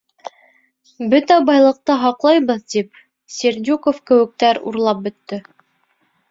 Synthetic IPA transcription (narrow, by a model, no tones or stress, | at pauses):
bɵt̪æbɑjlˠɤ̆q̚t̪ɤɦɑqlˠɑjβɤðt̪ip̚ | sʲeɾd̪ʲukofkɘ̆wɘ̆k̚t̪æɾṵɾlˠɑp̚bɵ̆t̪ːɘ